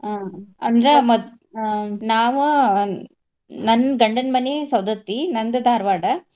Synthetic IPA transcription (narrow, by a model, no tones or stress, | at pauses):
aɐnd̪ɾɐmɔ | naːʋɐ̃ | nɐnɡɐɳɖɐnmɐnesɐwd̪ɐt̪ːinɐnd̪ɐd̪aːɾʋaːɽɐ